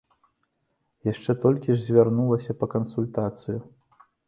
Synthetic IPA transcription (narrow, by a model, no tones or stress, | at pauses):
jaʂt͡ʂɛt̪ɔlʲkʲiʐzʲvʲarnulˠɐsʲɐpɐkɐnsulʲt̪at̪sɨju